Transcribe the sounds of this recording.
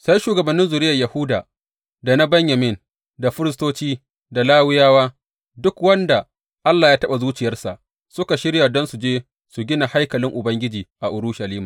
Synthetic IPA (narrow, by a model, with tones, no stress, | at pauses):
sa˦jʃuː˨ɡɐ˨bɐ˨nːɪ˦nzʊ˨ɾɪ˦jɐ˨jɐ˨hʊ˦daː˨ | da˨na˦bɐ˦ɲjɐ˨mɪ˦n | da˨ɸɪ˦ɾɪ˦stoː˦t͡ʃiː˦ | da˨laː˦wɪ˦jaː˦waː˦ | dʊ˦kwɐ˦nda˨ | ʔa˦lːaː˨jaː˦tɐ˦ɓa˨zuː˦t͡ʃɪ˨jɐ˦rsa˨ʔ | sʊ˦ka˨ʃɪ˦ɽja˨dɔ˦nsu˨d͡ʒeː˦ | su˨ɡʲɪ˦na˨ha˦jkɐ˨lɪ˦ŋʔʊ˨bɐ˦ŋɡʲɪ˦d͡ʒiː˨ʔa˨ʔʊ˨ɾuː˦ʃa˨liː˦maː˨